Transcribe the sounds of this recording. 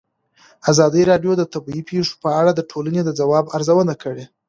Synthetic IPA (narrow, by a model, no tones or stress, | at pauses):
azɑd̪əjɾɑɖjod̪ət̪abiipʰeʂo̥pəaɽad̪əʈʰolaned̪əd͡zawɑbaɾzawənakəɽe